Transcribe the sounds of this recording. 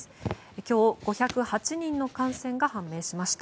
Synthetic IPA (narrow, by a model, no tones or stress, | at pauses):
ɨ̥ | ekʲo̞ːɡ̥o̞çakɯ̟hat͡ɕiɲ̟ĩnːo̞kãɰ̃sẽ̞ŋɡahãmːe̞ːɕimaɕi̥t̪a